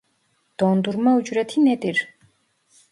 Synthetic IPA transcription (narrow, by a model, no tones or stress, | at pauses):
d̪̥ɔnd̪uɾmaud͡ʒɾɛt̪ʰinɛd̪iɾ